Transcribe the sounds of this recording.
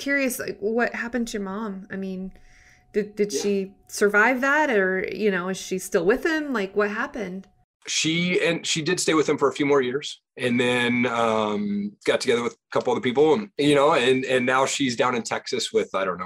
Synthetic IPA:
kʰj̥ʊɹiɨsla̰ɪkwʌt̚hæpɨ̃ntʰɨjə˞mɑ̃maɪmĩn | d̥ɨdɨd̥ʃisə˞vaɪvðæɾə˞jɨñoʊɨz̥ʃistɪlˠwɪð̥ɪ̃mlaɪkwʌt̚ɦæpɨ̃nd̥ | ʃiɨ̃nʃidɨd̥steɪwɨð̥ɨ̃ɱfə˞əfjʉmɔɹjɪɹz̥ | ɨ̃nðɨ̃nʌ̃mɡ̥ɑtʰɨɡɛðə˞wɨð̥kʰʌpl̩ˠʌðə˞pipl̩ˠjɨñoʊɨ̃nɨ̃nːaʊʃizdãʊ̃ñɨ̃ntʰɛksɨswɪð̥aɪɾõʊ̃nːoʊ

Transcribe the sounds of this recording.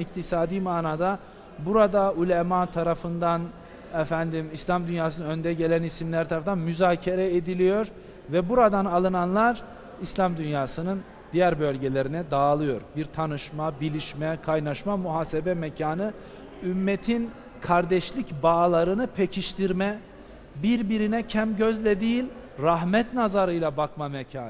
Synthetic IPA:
ict̪ʰisaːd̪iːmaːnaːd̪a | buɾad̪aulʲemat̪ʰaɾafɯnd̪an | ɛfænd̪imislʲamd̪ynjaːsɯnanønd̪ɛɟe̞lʲænisimlʲæɾt̪ʰaɾafnanmyzaːcʰeɾɛed̪ilʲijo̞ɾ | vɛbuɾad̪analˠɯnanlˠaɾ | islʲamd̪ynjaːsɯnɯn | d̪ijæɾbø̞lʲɟelʲe̞ɾinɛd̪aːlˠɯjo̞ɾbiɾt̪ʰanɯʃmabilʲiʃmɛkʰajnaʃmamuɦaːsebɛmɛcʰaːnɯ | ymːet̪ʰin | kʰaɾd̪ɛʃlʲicbaːlˠaɾɯnɯpʰecʰiʃt̪ʰiɾmɛ | biɾbiɾinɛcʰæmɟøzlʲɛd̪ijilʲ | ɾaɦmɛt̪nazaɾɯjlˠabakmamɛcʰaːn

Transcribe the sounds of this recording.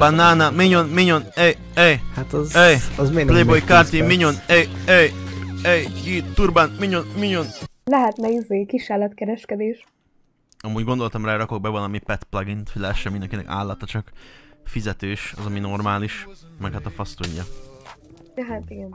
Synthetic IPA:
banːaːnamiɲonmiɲonɛj | ɛjhat̪ɒzɛjzmeplejbojkaːrt̪imiɲonɛjɛjɛjiːt̪urbanmiɲonmiɲonlɛɦɛt̪nɛizeːkiʃaːlɒt̪kɛɾɛʃkɛd̪eːʃ | ɒmuːɟɡo̞nd̪o̞lt̪ɒmraːɾɒko̞ɡ̚bɛvɒlɒmipɛt̪plɒɡint̪filɛʃɛmind̪ɛŋkinɛ̰ka̰ːlːɒt̪ːɒt͡ʃɒkfizɛt̪øːʃɒ̰zɒmino̞rmaːliʃ | mɛkhat̪ɒfɒst̪uɲːɒ | jɛɦat̪iɡɛn

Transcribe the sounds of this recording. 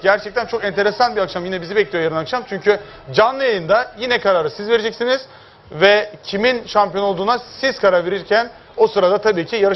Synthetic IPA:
ɟæɾt͡ʃʰɛc̚t̪ʰænt͡ʃʰo̞kɛnt̪ʰe̞ɾesanbiakʃamjinɛbizibɛclʲijojaɾɯnakʃamt͡ʃʰyɲcy | d͡ʒanlːˠɯjalʲind̪ajinɛkaɾaːɾɯsizveɾed͡ʒɛcsiniz̥ | vɛcʰiminʃampijo̞no̞lˠd̪uːnasiz̥kʰaɾaɾve̞ɾiɾcʰæn | o̞sɯɾad̪at̪ʰabiːcʰijaɾɯ

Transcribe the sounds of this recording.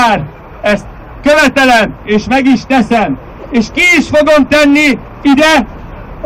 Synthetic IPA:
aːr | ɛst̪̚ | køvɛt̪ɛlɛmeːʃmɛɡiʃt̪ɛsɛm | eːʃkiːʃfo̞ɡo̞mt̪ɛnːi | id̪ɛ

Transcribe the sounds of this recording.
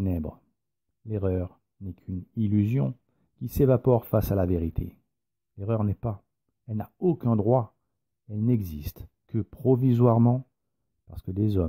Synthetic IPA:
nɛbʁ | leʁœʁ | nɛkʰynilyzjɔ̰̃ | kʲisevapɔʁfasalaveʁit̪ʰḛ | leʁœʁnɛpa | ɛlnaokʲɛ̃d̪ʁwa | ɛlnɛɡzist̪ | kəpχɔvizwaʁmɑ̃ | paʁsə̥kəd̪ezɔ

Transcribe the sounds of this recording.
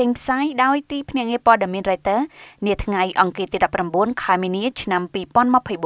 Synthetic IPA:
t͡ɕəŋpʰsaːjɗaɔjt̪iːpʰnɛ̆əʔŋiəpŏəɗemiənrat̪əːniət̪ʰŋajʔɑŋkiət̪iːɗɑpːramɓuənkʰaɛminiət͡ɕʰnampiːpŏənməpʰəjɓu

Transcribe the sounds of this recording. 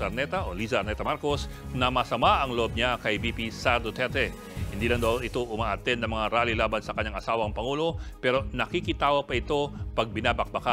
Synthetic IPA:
ɐɾnɛt̪ɐʔoliːzɐɐɾnɛt̪ɐmaɾko̞snɐmɐsɐmaʔɐŋloʔob̚ɲakɐjbipisaɾd̪ot̪ɛɾt̪ɛ | hɪnd̪iːlɐŋd̪ɐw̪ɪt̪o̞ʔʊmaːʔɐt̪ɛnd̪ɐŋmɐŋaɾaːlilaːbɐnsɐkɐɲːaŋʔɐsaːwɐŋpɐŋulo̞pɛːɾo̞nɐkikɪt̪aːwɐpɐɪt̪o̞pɐɡ̚bɪnaːbɐk̚bɐka

